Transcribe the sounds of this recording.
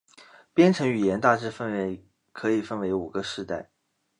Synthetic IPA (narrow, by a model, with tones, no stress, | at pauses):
pjɛ˥nʈ͡ʂʰɤ˧˥ŋy˨˩jɛ˧˥nt̪a˥˧ʈ͡ʂɻ̩˥˧fə˥˧nwe˧˥˩ɪ | kʰɤ˧˥i˨˩fə˥nwe˧˥ɪu˨˩ɡə˧˦ʂɻ̩˥˧t̪a˥˩ɪ